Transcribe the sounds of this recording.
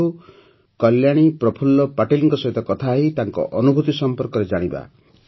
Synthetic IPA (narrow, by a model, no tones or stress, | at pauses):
u | kɔljaɽ̃ipɾɔpʰulːɔpaʈiliŋkɔsɔɦit̪ɔkɔt̪ʰaːɦit̪aŋkɔ̰ʔɔnubʱut̪isɔmpɔɾkɔɾed͡ʒaɽ̃iba̰